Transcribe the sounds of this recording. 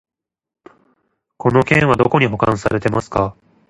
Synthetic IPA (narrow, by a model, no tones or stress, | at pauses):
ko̞no̞kẽɰ̃βad̪o̞ko̞ɲ̟iɦo̞kã̰saɾe̞t̪e̞masɨ̥ka